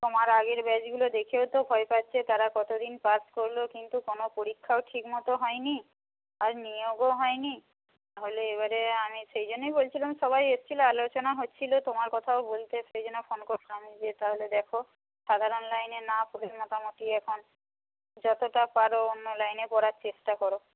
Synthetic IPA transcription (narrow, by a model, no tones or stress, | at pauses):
t̪omaɾaɡeɾbɛd͡ʑɡulod̪ekʰeot̪obʱɔepatːt͡ɕʰet̪aɾakɔt̪od̪inpaskoɾlokint̪ukonopoɾikʰːaoʈʰikmɔt̪oɦɔeni | aɾnioɡoɦɔeni | t̪aɦoleeβaɾeamiʃejd͡ʑonːejbolt͡ɕʰilamʃɔβajest͡ɕʰiloalot͡ɕonaɦotːt͡ɕʰilot̪omaɾkɔt̪ʰaobolt̪eʃejd͡ʑonefonkoɾloamid͡ʑet̪aɦoled̪ɛkʰo | ʃad̪ʱaɾonlajnenapuɦeɾmɔt̪amot̪iɛkʰon | d͡ʑɔt̪oʈapaɾoonːolajnepɔɾaɾt͡ɕeʃʈakɔɾo